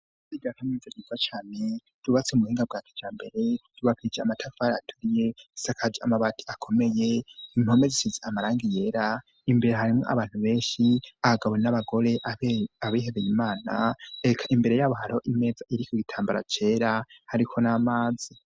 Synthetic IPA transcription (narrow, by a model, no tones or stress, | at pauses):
ziɡakamnizaɟivat͡ʃaːne | d̥uβat͡seumuhiːŋɡab̚ɡaːkʰed͡ʒaːmbe̞ɾe̞d̥uβakʰiid͡ʒeamatʰafaɾatʰuɾije̞isakʰad͡ʒia̰maβatʰi̥akʰo̞me̞jeim̥ho̞mezisizeamaɾaːŋɡije̞ːɾa | imbe̞ɾeɦaɾimŋo̞̰ʔa̰βaːn̥huβe̞ːnʃiahaɡawenaβaɡo̞ɾe̞ʔaaβiɦeβejimaːna̰ekʰaʔimbe̞ɾe̞jaβoɦaɾo̞ʔime̞d͡zaʔiɾikuɡitʰaːmbaɾa̰t͡ʃe̞ːɾahaɾikʰo̞namaːzi